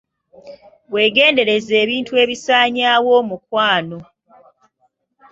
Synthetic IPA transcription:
βwe̞ːɡe̞ːnde̞ɾe̞zeːβiːntue̞ːβisaːɲaːwo̞ːmukwaːno̞

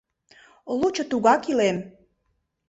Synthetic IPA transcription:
lut͡ɕŏt̪uɣɑkilem

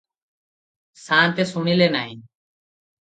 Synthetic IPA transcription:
saːnt̪eːsuɳileːnaːĩː

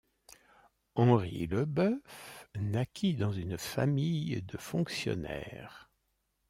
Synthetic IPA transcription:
ɑ̃ʁḭləbœfnakʲʰid̪ɑ̃zynfa̰mijd̪əfɔ̃ksjɔ̰nɛ̰ːʁ

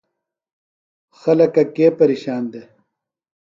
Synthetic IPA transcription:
xɐlɐkɐkeːpɐɾiɕaːnd̪e

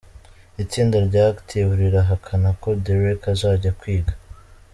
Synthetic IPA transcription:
it͡siːndaɾɟaːɡtʰiβuɾiɾaɦakʰanako̞deɾekazaːɟakwiːɡa

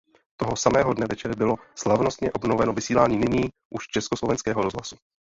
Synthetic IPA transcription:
t̪oɦosamɛːɦodnɛvɛt͡ʃɛɾɪbɪloslavno̞st̪ɲɛʔobnovɛnovɪsiːlaːɲiːnɪɲiː | ʔuʃt͡ʃɛskoslovɛnskɛːɦoɾozɦlasu

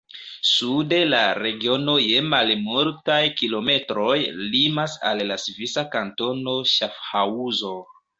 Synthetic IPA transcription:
sude̞laɾe̞ɡio̞no̞je̞malmoɾtajkilo̞me̞tɾo̞jlimasa̰lːasvisakanto̞no̞ʃafhauzo̞

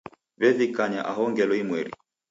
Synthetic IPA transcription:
βɛðikaɲaʔaɦɔŋɡɛlɔimwɛɾḭ

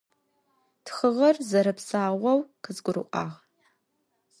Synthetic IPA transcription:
txəʁɐrzɐɾɨpsaːʁʷɐwqəzɡʷʊɾɨ̰ʔʷʼɑ̰ːʁ

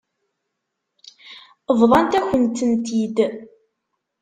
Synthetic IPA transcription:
əvðˤɑnt̪æçənt̪ənt̪id̪

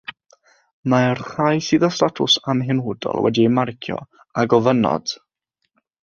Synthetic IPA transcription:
maɛrrajsɨːðɔstatʰʊsamɦɪnwʊdɔ̰lˠwɛ̰diemarkʰjɔ̰ | aɡɔvənɔ̰d̥

